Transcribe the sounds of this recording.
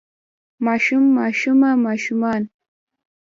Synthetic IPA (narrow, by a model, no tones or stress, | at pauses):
maʃʊmːaʃʊmamaʃʊman